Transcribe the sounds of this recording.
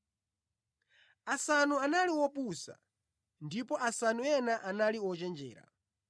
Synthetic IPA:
asanuanaliwɔpusa̰ | ndipɔasanuɛnaʔanaliwɔt͡ʃɛnd͡ʒɛ̰ːɾa̰

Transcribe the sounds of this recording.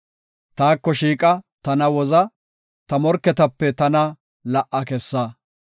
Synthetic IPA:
t̪aːkːɔʃiːkʼɐt̪ɐnɐwɔzɐ | t̪ɐmɔɾkːɛt̪ɐpːɛt̪ɐnɐ | lɐʔɐkɛsːaː

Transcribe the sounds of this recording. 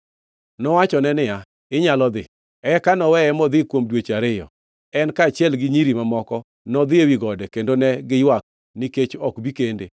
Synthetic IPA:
nɔwat͡ʃɔnɛnɪja | ɪɲalɔd̪ɪ | ɛkanɔwɛɛmɔd̪ɪkwomdwet͡ʃaɾɪjɔ̰ | ɛnkaːt͡ʃjɛlɡɪɲiɾimamɔkɔ | nɔd̪ɪewiɡɔdɛkendonɛɡɪjwak̚ | niket͡ʃɔkbikendḛ

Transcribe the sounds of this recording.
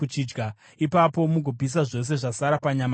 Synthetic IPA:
ut͡ʃid͡ʒɡa | ipapo̞muɡʱobʱis̬aʐo̞s̬e̞ʐasaɾapaɲam

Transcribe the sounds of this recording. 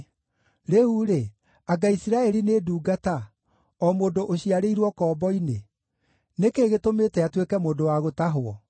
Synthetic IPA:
ɾeuɾe | aɡaisiɾaɛɾineduːɡata | ɔmoːndoʔoɕiaɾeiɾwɔkɔːbɔine | nekeːɣetomeːtɛatwekɛmoːndowaɣotaɦoɔ

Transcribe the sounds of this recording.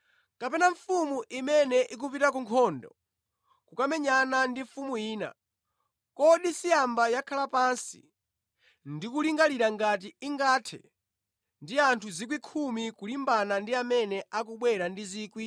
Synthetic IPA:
kapɛnaɱfumuʔimɛnɛʔik̬upitak̬uŋkʰɔndɔ̰ | kukamɛɲanandiɱfumuiːna̰ | kɔɗisijambajakʰalapansi̥̰ | ndikuliŋɡaliɾaŋɡat̬iiŋɡaːtʰɛ̰ | ndiantʰuzikwikʰumikulimbanandiamɛnɛak̬uɓwɛɾandiziːkwi

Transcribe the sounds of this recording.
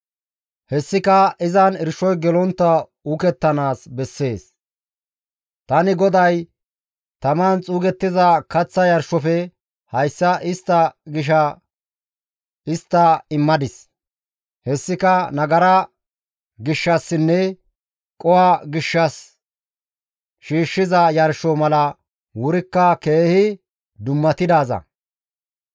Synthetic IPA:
hɛsːɪkɐɪzɐnɪɾʃɔjɡɛlɔnt̪ːɐ | ukɛt̪ːɐnaːsbɛsːe̞ːs | t̪ɐnɪɡɔd̪ɐj | t̪ɐmant͡sʼuːɡɛt̪ːɪzɐkɐt͡sːɐjɐɾʃɔfɛ | hɐjsːɐʔɪst̪ːɐɡɪʃ̬ɐ | ɪst̪ːɐɪmːɐd̪ɪs | hɛsːɪkɐnɐɡɐɾɐ | ɡɪʃːɐsːɪnːɛ | kʼɔwaːɡɪʃːɐs | ʃiːʃːɪzɐjɐɾʃɔmɐlɐ | wʊɾɪkːɐke̞ːhɪ | d̪ʊmːɐt̪ɪd̪aːzɐ̰

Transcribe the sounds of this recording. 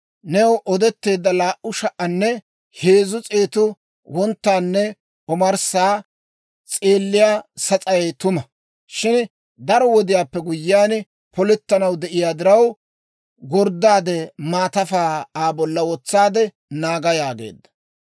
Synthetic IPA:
nɛwʔɔd̪ɛt̪ːe̞ːd̪ːɐlaːʔʊʃɐʔɐnːɛ | heːzʊt͡sʼe̞ːt̪ʊ | wɔnt̪ːaːnːɛ | ɔmɐɾsaː | t͡sʼeːlːɪjaːsɐt͡sʼɐjt̪ʊmɐ | ʃɪn | d̪ɐɾɔwɔd̪ɪjaːpːɛɡʊjːɪaːn | pɔlɛt̪ːɐnɐwd̪ɛʔɪjaːd̪ɪɾɐw | ɡɔɾd̪aːd̪ɛmaːt̪ɐfaːaːbɔlːɐwɔt͡sːaːd̪ɛ | naːɡɐjaːɡe̞̰ːd̪ːɐ̥

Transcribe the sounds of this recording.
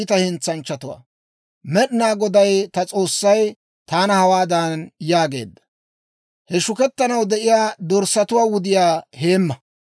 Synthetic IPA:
t̪ɐhɪnt͡sːɐnt͡ʃːɐt̪ʊwa̰ː | mɛɗɪnaːɡɔd̪ɐjt̪ɐt͡sʼo̞ːsːɐj | t̪aːnɐhɐwaːd̪ɐnnjaːɡe̞̰ːd̪ːɐ̥ | hɛʃʊkɛt̪ːɐnɐwd̪ɛʔɪjaːd̪ɔɾsɐt̪ʊwaːwʊd̪ɪjaːhe̞ːmːɐ

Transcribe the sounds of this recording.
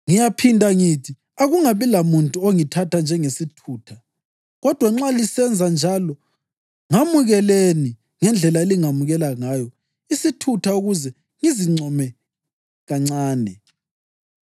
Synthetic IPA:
ŋijapʰindʱʼaŋitʰi | aɣuŋaβilamuntʼuoŋitʰatʰand͡ʒʱɛŋesitʰuːtʰa | ɣɔd̥ʱwaŋ͡ǁalisɛnd͡zʱand͡ʒʱalɔ | ŋamuɣɛleni | ŋɛnd͡ɮʱɛlaeliŋamuɣɛlaŋaːjɔ | isitʰutʰauɣuzɛ | ŋiziŋ͡ǀʱɔmɛ | ɣaŋ͡ǀaːnɛ

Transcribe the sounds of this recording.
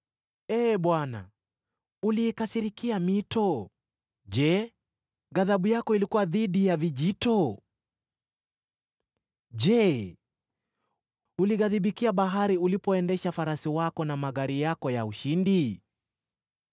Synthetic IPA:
ɛːɓwana̰ | uliːkasiɾikiamitɔ | ʄɛ | ɣaðaɓujakɔilikuwaðiɗijaviʄitɔ | ʄɛ | uliɣaðiɓikiaɓaɦaɾiulipɔɛndɛʃafaɾasiwakɔnamaɣaɾijakɔjauʃindi

